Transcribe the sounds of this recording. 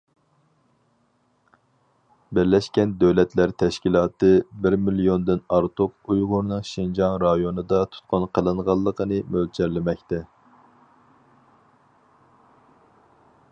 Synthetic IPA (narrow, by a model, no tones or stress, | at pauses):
bɪɾlɛʃkʲɛnd̪øwlɛt̪læɾt̪ʰɛʃkʲilˠɑːt̪ʰɨbɪɾmilijond̪ɪnɑɾt̪ʰup̚ujʁʊɾnɨŋʃind͡ʒɑŋɾɑjonɨd̪ɑt̪ʰu̥t̪̚qʰʊnqʰəlˠɨɴʁɑlˠːəqənɨmøld͡ʒɛɾlɪmɛkʲt̪ɛ